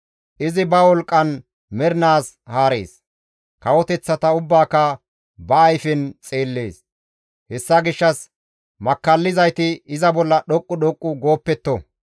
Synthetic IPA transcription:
ʔɪzɪbɐwɔlkʼːɐn | mɛɾnaːshaːɾe̞̰ːs | kɐwɔt̪ɛt͡sːɐt̪ɐʊbːaːkːɐ | bɐːjfɪnt͡sʼe̞ːlːe̞ːs | hɛsːɐɡɪʃːɐs | mɐkːɐlːɪzɐjt̪ɪːzɐbɔlːɐɗɔkʼːʊɗɔkʼːʊɡo̞ːpːɛt̪ːɔ

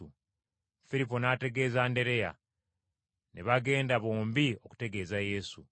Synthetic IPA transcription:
u | fiɾipo̞naːte̞ɡe̞ːzaːnde̞ɾe̞ja̰ | neβaɡe̞ːndaβo̞ːmbio̞ku̥te̞ɡe̞ːzaje̞ːsu

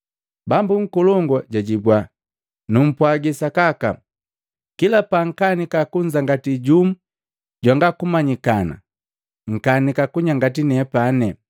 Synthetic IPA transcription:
bambuŋ̩kɔlɔŋɡaɟaɟibwa | num̩pwaɡisakaka | kilapaŋ̩kanikakuɲd͡ʒaŋɡatiɟum̩ | ɟwaŋɡakumaɲikana̰ | ŋ̩kanikakuɲaŋɡatinɛpanɛ

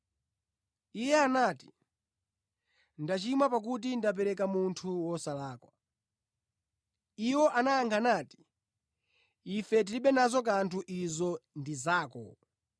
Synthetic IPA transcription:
ijɛanaːti̥ | ndat͡ʃimapak̬ut̬indap̬ɛɾɛkamuntʰuwɔsalaːkwa | iwɔʔanaːŋkʰanaːti̥ | ifɛt̬iliɓɛnazɔk̬antʰuʔizɔndizaːkɔ̰

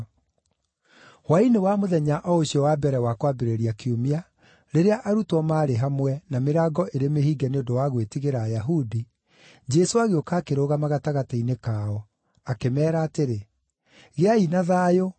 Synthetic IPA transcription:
wainewamoðɛɲaʔɔoɕiɔwabɛɾɛwakwabeɾeɾiakiomia | ɾeɾeaʔaɾutwɔmaːɾeɦamwɛnameɾaːɡɔʔeɾemehiːɡɛneodowaɣwetiɣeɾaːjaɦudi | d͡ʒɛsoaɣeokaːkeɾoɣamaɣataɣatainekaːɔ | akemɛːɾaːteɾe | ɣeainaðaːjo

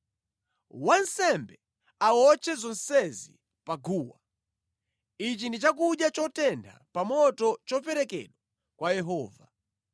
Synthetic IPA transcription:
wansɛmbɛ | awɔt͡ʃʰɛzɔnsɛzḭ | paɡuːwa | it͡ʃindit͡ʃak̬uɗjat͡ʃɔtɛnda̰pamɔtɔt͡ʃɔpɛɾɛkɛ̰ɗwa | kwajɛɦɔːva

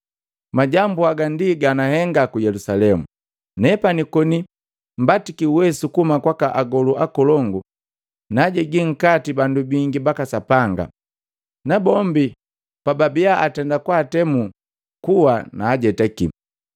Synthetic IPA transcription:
maɟambuaɡandiɡanahɛŋɡakujɛlusalɛmu | nɛpanikɔni | m̩batikiuwɛsukumakwakaʔaɡɔluʔakɔlɔŋɡu | naɟɛɡiŋ̩katibandubiŋɡibakasapaŋɡa̰ | nabɔmbi | pababiaʔatɛndakwaːtɛmu | kuwanaːɟɛtɛkḭ

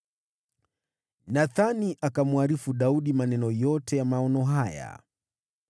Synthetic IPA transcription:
naθaniʔakamuaɾifuɗauɗimanɛnɔjɔtɛjamaɔnɔɦaja̰

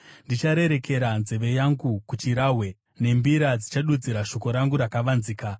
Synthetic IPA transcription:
ndit͡ʃaɾe̞ɾe̞ke̞ɾanzeʋe̞jaŋɡukut͡ʃiɾaɦwe̞ | ne̞mbiɾad͡zit͡ʃaɗud͡ziɾaʃo̞ko̞ɾaŋɡuɾakaʋanziːka

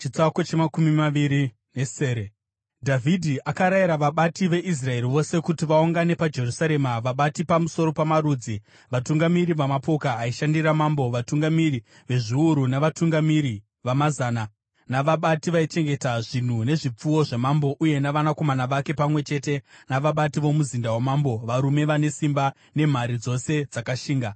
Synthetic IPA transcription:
t͡ʃit͡sakot͡ʃemakumimaʋiɾi | ne̞seːɾe | dʱavʱidʱiʔakaɾaiɾaʋaɓatiʋe̞ʔis̬rae̞ɾiʋo̞se̞kutiʋauŋɡane̞pad͡ʒe̞rusaɾe̞maʋaɓatipamuso̞ɾo̞pamaɾuːd͡zi | ʋatuŋɡamiɾiʋamapo̞kaːiʃandiɾamambo̞ʋatuŋɡamiri | ʋe̞ʐiuɾunaʋatuŋɡamiɾi | ʋamazaːna | naʋaɓatiʋait͡ʃe̞ŋɡe̞taʐin̤une̞ʐip͡fuwo̞ʐe̞mambo̞ʔuje̞naʋanako̞manaʋake̞pamwe̞t͡ʃe̞te̞naʋaɓatiʋo̞muzindawamambo̞ʋaɾume̞ʋane̞simba | ne̞m̤aɾid͡zo̞se̞d͡zakaʃiːŋɡa

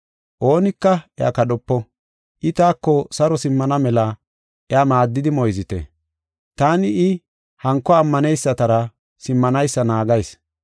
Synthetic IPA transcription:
ʔo̞ːnɪkːɐʔɛa̰kɐɗɔpːɔ | ʔɪt̪aːkːɔsɐɾɔsɪmːɐnɐmɛlɐ | ʔɛamaːd̪ːɪd̪ɪmɔjzɪt̪ɛ̰ | t̪aːnɪɪ | hɐŋkːɔɐmːɐnɛjsːɐt̪ɐɾɐ | sɪmːɐnɐjsːɐnaːɡɐjs

